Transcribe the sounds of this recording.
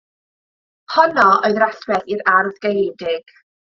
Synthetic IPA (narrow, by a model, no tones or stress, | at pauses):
hɔnɔʔoɨðraɬwɛθiɾarðɡejdɪɡ̥